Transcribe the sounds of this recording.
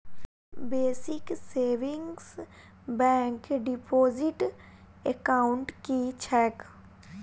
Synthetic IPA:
beːsɪkseːʋɪ̃ŋɡs | bɛ̃ːŋkɖipʰoːzɪʈ | ekaʊɳʈkit͡ʃʰɛːk

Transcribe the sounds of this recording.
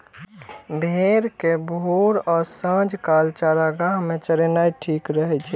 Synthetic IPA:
bʱeɾkebʱoɾɔːɾsə̃d͡ʒkalt͡ʃaɾaɡaɦmet͡ʃəɾenajʈʰikɾəɦɛt͡ʃʰɛ

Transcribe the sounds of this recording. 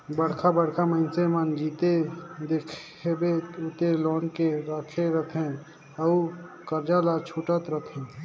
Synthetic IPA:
bəɽ̤kʰabəɽkʰaməɪnsemənd͡ʒit̪ed̪ekʰ | ebeut̪elɔnkeɾəkʰeɾəɦt̪ʰɛ̃ | əu | kəɾd͡ʒalat͡ʃʰuʈət̪ɾət̪ʰɛ̃

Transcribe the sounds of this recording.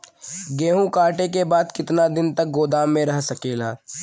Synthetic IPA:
ɡeːɦũkaːʈek̬ebaːd̪kɪt̪nad̪ɪnt̪ɐk̚ɡoːd̪aːmːẽɾɐɦsɐkeːlaː

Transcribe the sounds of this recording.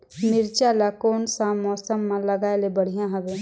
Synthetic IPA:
mɪɾt͡ʃalakoːnsamːɔːsəmːãləɡaːelebəɽ̤ijãɦəbeː

